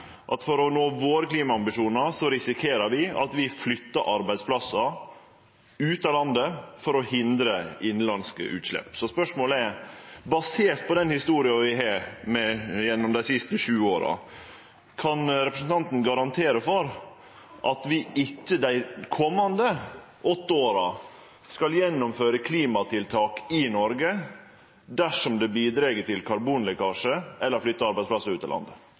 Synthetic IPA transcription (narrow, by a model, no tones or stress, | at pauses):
ʔɑt̪fɔɾɔnoːʋoːɾəkliːmɑɑmbɪʂuːnəɾsɔɾɪsɪkʰeːɾəɾʋɪɑ̰t̪ʋɪflʏt̪ːɑʔɑɾbæɪd̪spʰlɑsɑ | ʉːt̪ɑlɑnd̪əfɔɾɔhɪnd̪ɾəɪnlɑnskə̰ʔʉ̰ːt̪ʂlɛ̰pːsɔspœʂmoːlɛɾbɑseːt̪̚pʰɔd̪ɛnhɪst̪uːɾɪɑʋɪɦɑɾmɛjɛnːɔmd̪æɪsɪst̪əʂʉːoːɾɑ̰ | kʰɑnɾɛpɾəsən̩t̪ʰɑnt̪n̩ɡɑɾɑnt̪ʰeːɾəfɔɾ | ʔɑt̪ʋɪʔɪkːəd̪æɪkʰɔmːɑnd̪ə | ʔɔt̪ːəoːɾɑ | skɑljɛnːɔmføːɾəkʰliːmɑt̪ʰɪlt̪ʰɑːkɪnɔɾɡə | d̪æʂɔmd̪ɛbiːd̪ɾɛɡəʈɪlkʰɑɾbuːnlɪkɑːʂəʔɛlːəɾflʏt̪ːəɑɾbæɪsplɑsəʉːt̪ːɛ̰lɑ̰nd̪ə